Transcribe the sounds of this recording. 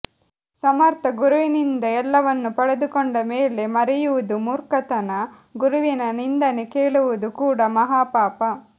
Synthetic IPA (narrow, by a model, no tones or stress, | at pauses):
sɐmɐɾt̪ɐɡuɾuʋinind̪ɐɛlːɐʋɐnːupɐɽed̪ukɔɳɖɐmeːle̞mɐɾɛjuʋud̪umuːɾkɐt̪ɐnɐ | ɡuɾuʋinɐnind̪ɐnekeːɭuʋud̪ukuːɽɐmɐɦaːpaːpɐ